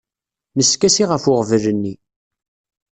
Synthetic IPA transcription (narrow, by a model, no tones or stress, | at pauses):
məskæsiʁəfʊʁvlənːi